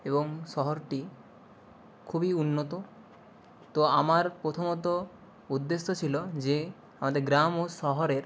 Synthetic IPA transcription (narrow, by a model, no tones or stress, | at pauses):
eboŋʃɔɦoɾʈi | kʰubiunːot̪o | t̪oamaɾpɾot̪ʰomɔt̪o | ud̪ːeʃːot͡ɕʰilod͡ʑe | amad̪eɾɡɾamoʃɔɦoɾeɾ